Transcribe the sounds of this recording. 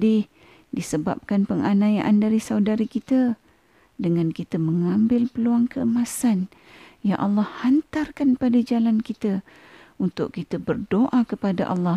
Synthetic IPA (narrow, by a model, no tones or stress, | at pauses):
dɪh | disəba̰p̚kanpəŋanajaʔandaɾisawdaɾikit̪ə | dəŋankit̪əməŋambɪlpəluaŋkəəmasan | jaʔɑlːɑhhant̪arkanpadad͡ʒalankit̪ə | unt̪ʊʔkit̪əbərdoʔakəpada̰ʔɑlːɑ